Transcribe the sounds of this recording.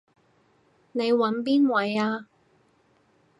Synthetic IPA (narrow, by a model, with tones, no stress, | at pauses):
ne˨˧jwɐ˨˥npiː˥nwɐ˨˥jaː˧